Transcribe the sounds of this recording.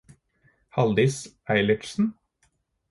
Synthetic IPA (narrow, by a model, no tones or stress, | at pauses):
hɑld̪ɪs | æɪlɪʈsn̩